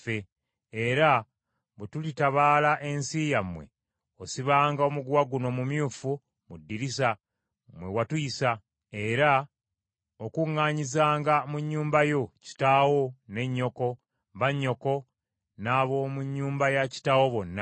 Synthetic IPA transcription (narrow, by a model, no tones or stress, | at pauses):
fe | eɾa | βetulitaβaːlaʔe̞nsijamwe̞̰ | osiβaːŋɡao̞muɡwaɡuno̞mumjuːfu | mudːiɾisa | mwewatujisa | e̞ɾa | okuŋːaːɲizaːŋɡamuɲːuːmbajo̞ci̥tawo̞ne̞ɲːo̞ko̞ | βaɲːo̞ko̞ | naːβo̞ːmuɲːuːmbajaci̥tawo̞βo̞nːa